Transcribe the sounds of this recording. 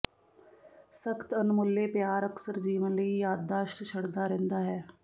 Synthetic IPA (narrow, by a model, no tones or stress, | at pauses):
səkʰt̪ənmʊlːepjaːɾəksəɾd͡ʒiːʋənləijaːd̪̚d̪aːʃʈt͡ʃʰəɽd̪aɾɛ̃nd̪aːɦɛː